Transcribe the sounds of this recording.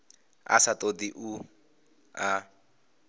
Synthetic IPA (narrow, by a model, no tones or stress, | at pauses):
a̰satʼod̪iʔu | a